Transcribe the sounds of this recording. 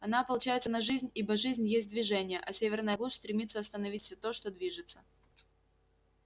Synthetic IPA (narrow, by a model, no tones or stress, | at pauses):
ɐnapəlˠʊt͡ɕæjɪt̪sənɐʐɨzʲnʲibəʐɨzʲnʲjesʲt̚ʲd̪vʲɪʐɛnʲɪjəʔɐsʲevʲɪrnəjəɡlˠuʂst̪ɾʲɪmʲit̪sːəɐst̪ənɐvʲitʲfsʲɵt̪o̞ʂt̪o̞d̪vʲiʐɨt̪sə